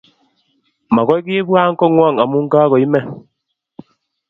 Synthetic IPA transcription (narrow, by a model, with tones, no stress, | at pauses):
ma˨ɣɔ˦i˦ki˦e˦bu˦a˦ŋ̩˦kɔ˦ŋwa˦˨ŋa˨mu˦ŋ̩˦kaː˦ɣɔ˨i˦mɛ˦˨